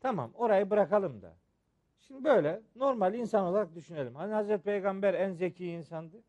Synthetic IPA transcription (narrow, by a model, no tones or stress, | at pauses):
t̪ʰama̰mo̞ɾajɯbɯɾakalˠɯmd̪a̰ | ʃimd̪ibø̞jlʲɛno̞ɾmalʲinsano̞lˠaɾak̚d̪yʃyne̞lʲimhanihazɾɛt̪ʰipʰejɡambæɾænzecʰiːnsand̪ɯ